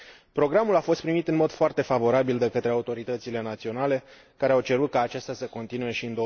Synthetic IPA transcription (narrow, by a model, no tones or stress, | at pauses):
pɾo̞ɡɾamulafo̞st̪pɾimit̪ɨnmo̞d̪foart̪e̞favo̞ɾabild̪e̞kət̪ɾe̞aut̪o̞ɾit̪ət̪sile̞nat̪sio̞nale̞ | kaɾeawt͡ʃe̞ɾut̪̚kaːt͡ʃast̪ʲasəko̞nt̪inuje̞ʃiɨnd̪o